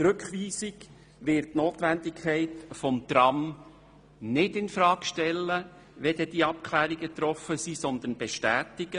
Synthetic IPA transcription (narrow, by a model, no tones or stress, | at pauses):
ɾɵkχʋiːsiɡ | ʋɪɾtːnoːt̪ʋænd̪ɪkʰχɛɪtfɔmt̪ɾɑm | nɪdɪnfɾɑːkʃtɛlːə | ʋɛd̥̪ɛd̥̪iːɑpkʰlæːɾiɡət̪ɾɔfəsisɔnd̪ənb̥ɛʃtæːtɪɡ̥ə